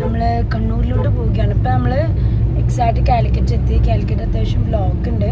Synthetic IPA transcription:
nɐmːɐɭ | kɐɳːuːɾiloʈːɨpoːɣijaːɳɐpːoːnɐmːɐɭ | eksaːjʈːɨkʲaːlikʲːɐʈːed̪jekʲːaːlikʲːɐʈːɐt̪ːɐʂɐmloːkːuɳɖɨ

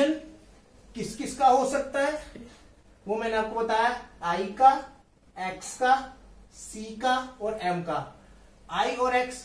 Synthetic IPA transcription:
ən | kɪskɪskaɦosɐk̚t̪aɦɛː | ʋomɛ̃ːneaːp̚kobɐt̪aːjaaːika | ɛːkskasiːkaɔːɾɛːmka | aːiɔːɾɛːks

